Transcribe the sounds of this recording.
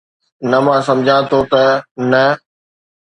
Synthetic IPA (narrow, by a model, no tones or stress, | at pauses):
nɐmãːsɐ̃md͡ʑʱãt̪ʰot̪ɐnɐ